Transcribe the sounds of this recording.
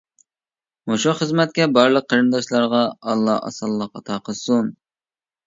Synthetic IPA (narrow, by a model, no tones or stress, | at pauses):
moʃuχəzmɛt̪̚kʲɛbɑɾlˠəq̚ʰːɑɾɨnd̪ɑʃlˠɑɾʁɑɑlˠːɑ̰ɑ̰sɑlˠːɑqʰɑt̪ʰɑqʰəsun